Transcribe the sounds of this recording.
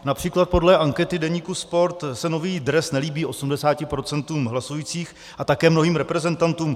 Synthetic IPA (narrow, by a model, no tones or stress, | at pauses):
napr̝̥iːklat̪̚po̞dlɛʔaŋkɛt̪ɪdɛɲiːkuspo̞ɾt̪sɛno̞viːd̪ɾɛsnɛliːbiːʔo̞sumdɛsaːcɪpɾo̞t͡sɛnt̪uːmɦlasujiːt͡siːx | ʔat̪akɛːmno̞ɦiːmɾɛpɾɛzɛnt̪ant̪uːm